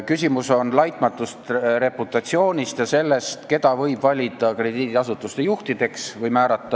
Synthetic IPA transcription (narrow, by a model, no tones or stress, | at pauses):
kysʲimuso̞nlɑjt̪ˑmɑt̪ːˑust̪re̞put̪ːˑɑt̪sio̞ːnʲist̪jɑse̞lːe̞st̪ke̞d̪̥ɑvɤjb̥vɑlʲid̪̥ɑkre̞d̪iːd̪iɑsut̪ːˑust̪e̞juht̪id̪̥e̞ksvɤjmæːɾɑt̪ːˑɑ